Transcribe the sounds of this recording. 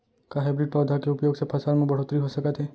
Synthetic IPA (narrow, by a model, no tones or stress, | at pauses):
kaɦebɾiɖ̚pɔːd̪ʱakeʊpjoːɡsepʰɐsalmẽbɐɽ̤ot̪ɾiɦosɐkət̪ɦɛ